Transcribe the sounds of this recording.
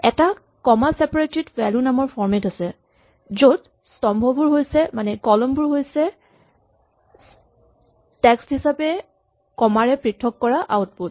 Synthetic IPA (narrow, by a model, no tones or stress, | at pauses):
ɛ̰ta | kɔmasɛpaɹetitwɛlunamɔɹpʰɔɹmɛtasɛ | zod | stɔmbʱɔbuɹɦojsɛmanɛkɔlɔmbʊɹɦojsɛ | tɛksthisapɛ | kɔmaɹɛpɹitʰːɔkːɔɹaʔawtput̚